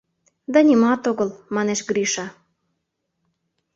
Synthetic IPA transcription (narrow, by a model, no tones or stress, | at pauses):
d̪ɑnʲimɑt̪oɣɤlmɑneʃɡɾiʃɑ